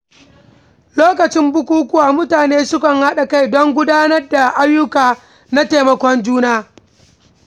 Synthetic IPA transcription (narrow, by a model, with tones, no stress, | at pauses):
loː˦kɐ˨t͡ʃɪ˦mbʊ˦kʷuː˦kʊ˦waː˨mʊ˦taː˨neː˦sʊ˦kɐ˨ŋha˦ɗa˨ka˦˨jdɔ˦ŋɡʷʊ˦daː˦nɐ˦rda˨ʔa˦jːʊ˦kaː˨ | na˦teː˨mɐ˨kʷɔ˦nd͡ʒuː˦naː˦